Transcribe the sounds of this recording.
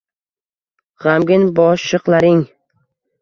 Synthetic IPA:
ʁamɡʲɪnbɒʃɨqlˠaɾɪŋ

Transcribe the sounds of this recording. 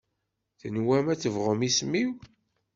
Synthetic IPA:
θənwæmæt͡sːəvʁəmismiw

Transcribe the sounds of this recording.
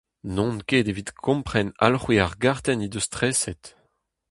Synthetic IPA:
nɔ̃nkeːdevit̪kʰɔ̃mpχɛna̰lχwiaʁɡaʁt̪ɛnid̪øst̪χɛsɛt̪

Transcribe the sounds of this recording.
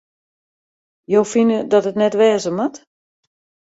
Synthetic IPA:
jowfinədɔtətnɛtʋɛːzəmat

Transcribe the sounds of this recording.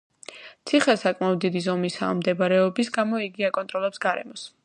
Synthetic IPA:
t̪sʰiχɛsakʼmaɔd̪̚d̪id̪izɔmisa̰ːmd̪ɛbɾɛɔbisɡamɔiɡiakʼɔnt̪ʼɾɔlɛpsɡaɾɛ̰mɔs

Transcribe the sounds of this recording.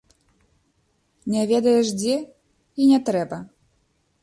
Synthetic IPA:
nʲɛvʲɛd̪ɐjɛʂd͡zʲɛ | inʲɛt̪ɾɛbɐ

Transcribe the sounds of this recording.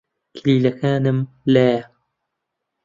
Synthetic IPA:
kʰɪliːlɐkʰaːnɨm | laj

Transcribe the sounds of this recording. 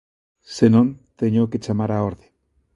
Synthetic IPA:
senõnt̪eɲoket͡ʃamaɾaoɾðe

